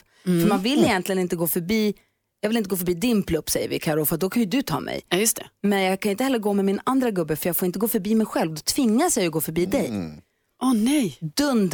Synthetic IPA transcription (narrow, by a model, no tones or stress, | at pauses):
fœɾmanvɪlːɪjɛnt̪lɪɡənɪnt̪əɡoːfœɾbiː | jɑːɡvɪlɪnt̪əɡoːfœɾbiːd̪ɪnpʰlɵpːsɛjːə̰ɾvɪ̰kʰaɾɔːfad̪ɔkʰanjɵd̪ɵt̪ʰɑ̰ːmʔɛ̰jjɵst̪ʰɛmɛnjɑːɡkʰanɪnt̪əhɛlːəɾɡoːmɛmɪnand̪ɾaɡɵbːəfœɾjɑːɡfoɾɪnt̪əɡoːfœɾbiːmɛjɧɛlvd̪ɔt̪ʰv̥ɪŋːasɛjɔɡoːfœɾbiːd̪ɛj | ɔnɛjd̪ɵnd̪